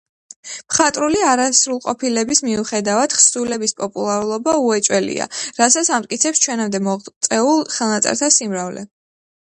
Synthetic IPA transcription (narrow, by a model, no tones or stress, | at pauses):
pχat̪ʼɾuliaɾasɾulˠqʼɔpʰilɛbismiuχɛd̪avad̪̥χsulɛbispʼɔpʼulˠaɾulˠɔbauɛt͡ʃʼwɛlḭa̰ɾasat̪sʰamt̪ʼkʼit̪sʰɛpst͡ʃʰwɛnamd̪ɛmɔt̪sʼɛulˠχɛlˠnat̪sʼɛ̰ɾt̪ʰasimɾavlɛ̰